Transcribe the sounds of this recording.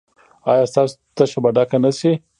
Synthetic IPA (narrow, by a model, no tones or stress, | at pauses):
ɑjɑst̪ɑsʊ̥t̪aʃabaɖakanasi